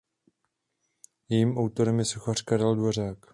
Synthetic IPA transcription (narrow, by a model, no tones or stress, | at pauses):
jɛjiːmawt̪o̞ɾɛmjɛsoxar̥kaɾɛldvoraːk